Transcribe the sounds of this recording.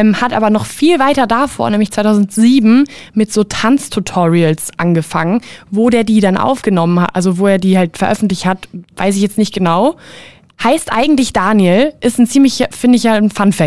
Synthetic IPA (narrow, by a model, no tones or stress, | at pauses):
mhatʔa̰ːbɐnɔχfiːlvaɪtɐdafo̰ːɐnɛːmlɪçtt͡sʰv̥aɪtʰaʊzn̩tz̥iːbm̩mɪtz̥oːtʰʁant͡stʰutʰɔʁiəlsʔanɡəfaŋənvoːdeːɐdiːdanʔa̰ʊfɡ̥ənɔmənha̰tʔa̰lzovoːeːɐdiːhaltfɛɐʔœfn̩tlɪçthatva̰ɪs̬ɪçjɛt͡stnɪçt̚ɡ̥ənaʊ | haɪstʔa̰ɪɡŋ̩tlɪçd̥aːnjəlʔɪstn̩t͡siːmlɪçɐfɪndɪçanfanfɛ